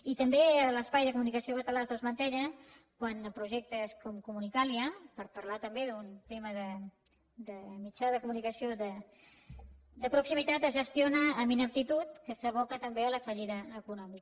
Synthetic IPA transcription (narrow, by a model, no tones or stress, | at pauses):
it̪əmbeələspajðəkumunikəsiokət̪əlazðəzmənt̪ɛʎə | kwanəpɾuʒɛk̚t̪əskɔmkumunikaliəpəɾpəɾlat̪əmbeðunt̪eməðə | d̪əmit͡ʃaðəkumunikəsiod̪ə | d̪əpɾuksimit̪at̪əzʒəst̪ionəːminəp̚t̪it̪ut̪kəsəβ̞ɔkət̪əmbeələfəʎiðəːkunɔmik